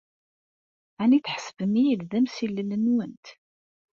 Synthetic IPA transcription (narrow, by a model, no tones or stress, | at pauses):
æniθħə̥səvəmijəlðæmsilːəlːənwənt̪